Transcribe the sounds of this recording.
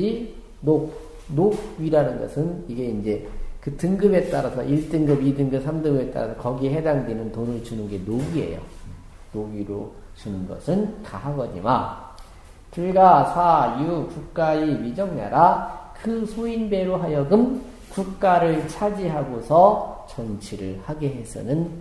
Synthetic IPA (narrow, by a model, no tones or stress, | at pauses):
i | no | noɡ̚ɥiɾanɯnɡʌ̰sʰɯniɡe̞ind͡ʑe̞kɯtɯŋɡɯbe̞t͈aɾasʰʌ̰ʔiɭt͈ɯŋɡɯbidɯŋɡɯp̚sʰamdɯŋɡɯbe̞t͈a̰ɾasʰʌkʌɡiɦe̞daŋdwinɯntonɯɭt͡ɕunɯnɡe̞noɡie̞̰jo̰ | noɡiɾo | t͡ɕunɯnɡʌ̰sʰɯnkaɦaɡʌd͡ʑima | t͡ɕiɡasʰajukuk̚k͈aiɥid͡ʑʌŋna̰ɾakɯsʰoinbe̞ɾoɦajʌɡɯm | kuk̚k͈aɾɯɭt͡ɕʰad͡ʑiɦaɡosʰʌt͡ɕʌnt͡ɕʰiɾɯɭhaɡeɦe̞sʰɯ̰nɯn